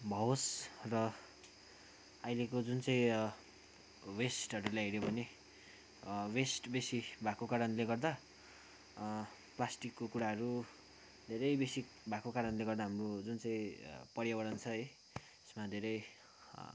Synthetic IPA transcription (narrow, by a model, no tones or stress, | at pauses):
bʱʌosrʌ | ʌjlekod͡zunt͡sãĩ | wesʈʌɾulajɦeɾjobʱʌne | wesʈbesibʱakokaɾʌnleɡʌrd̪a | plasʈikːokuɽaɦʌɾu | d̪ʱeɾʌjbesik | bʱakokaɾʌnleɡʌrd̪aɦamrod͡zunt͡sãĩpʌɽjabʌɽʌnt͡sʰʌʌj | esmad̪ʱeɾʌj